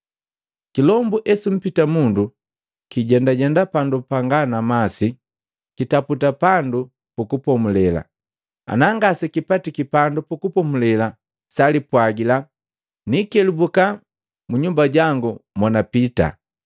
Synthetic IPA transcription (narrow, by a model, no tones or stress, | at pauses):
kilɔmbuʔɛsum̩pitamundu | kiɟɛndaɟɛndapandupaŋɡanamasi | kitaputapandu | pukupɔmulɛla̰ | a̰naŋɡasikipatikipandupukupɔmulɛla | salipwaɡila | nikɛlibuka | muɲumbaɟaŋɡumɔnapita̰